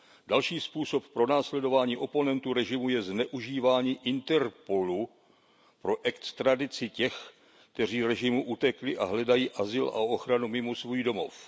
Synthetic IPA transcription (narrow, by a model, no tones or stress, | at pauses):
d̥alʃiːspuːso̞ppːɾo̞naːslɛdo̞vaːɲiːʔo̞po̞nɛnt̪uɾɛʒɪmujɛznɛʔuʒiːvaːɲiːʔɪnt̪ɛɾpo̞lu | pɾo̞ʔɛktst̪ɾadɪt͡sɪcɛx | kt̪ɛr̝iːɾɛʒɪmuʔut̪ɛklɪʔa̰ɦlɛdajiːʔazɪlʔa̰ooxɾanumɪmosvuːjdo̞mo̞̰f